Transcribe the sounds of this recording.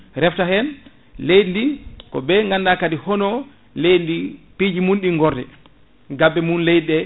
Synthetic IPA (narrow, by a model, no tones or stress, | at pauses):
ɾɛftahɛn | lejndikɔ̰bɛŋɡandakadihɔnɔ | lejndipid͡ʒimunɗiŋɡɔɾdɛ | ɡabːɛmunlɛjɗɛ